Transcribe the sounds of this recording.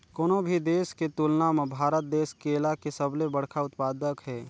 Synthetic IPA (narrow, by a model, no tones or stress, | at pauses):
koːnobʱid̪eːsket̪ulnamẽbʱaːɾət̪̚d̪eːskeːlakesəblebəɽkʰaʊt̪paːd̪əkɦɛː